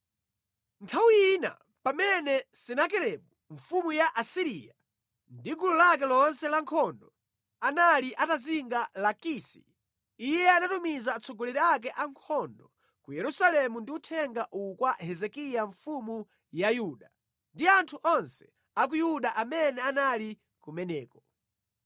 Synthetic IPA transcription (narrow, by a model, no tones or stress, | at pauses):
ntʰawiina̰ | pamɛnɛsɛnak̬ɛɾɛmuɱfumujaʔasiɾija | ndiɡululak̬ɛlɔnsɛlaŋkʰɔndɔ | analiʔataziŋɡalakisi̥̰ | ijɛanatumizaːt͡sɔɡɔlɛɾiak̬ɛʔaŋkʰɔndɔ | kujɛɾusalɛmundiutʰɛŋɡaʔukwahɛzɛkijaɱfumu | jajuɗa | ndiantʰuʔɔnsɛ̥ | ak̬ujuɗaʔamɛnɛanali | kumɛnɛːkɔ